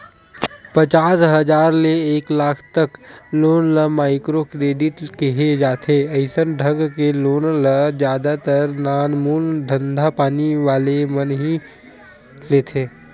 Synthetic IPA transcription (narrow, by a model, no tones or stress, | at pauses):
pət͡ʃaːsɦəd͡ʒaːɾleeːklaːkʰt̪əkloːnləmaːɪkɾokɾeːɖɪʈkeɦed͡ʒaːt̪ʰeəɪsənɖʱəɡkeloːnləd͡ʒjaːd̪at̪əɾnaːnmuːnd̪ʱə̃nd̪ʱapaːniʋaːlemənɦi | leːt̪ʰeː